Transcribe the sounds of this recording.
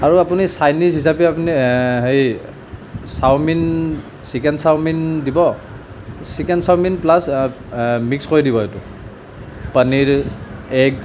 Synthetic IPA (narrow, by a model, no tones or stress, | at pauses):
aɹuapunisajnisɦisapɛapuniɦej | sawmin | sikɛndsawmindibɔ | sikɛnsawminplas | mikskoɹidibɔɦejtʊ | pəniɹɛɡ